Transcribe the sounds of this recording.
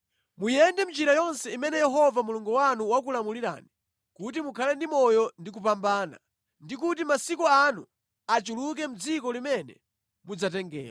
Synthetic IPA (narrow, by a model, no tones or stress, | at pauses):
mujɛndɛm̩t͡ʃiɾajɔnsɛimɛnɛjɛɦɔvamuluŋɡuwanuwak̬ulamuliɾa̰ːni | kut̬imukʰalɛndimɔjɔndik̬upambaːna̰ | ndik̬utimasikɔanu | at͡ʃuluk̬ɛm̩d͡zikɔlimɛnɛ̰ | mud͡zatɛŋɡɛ̰ːla̰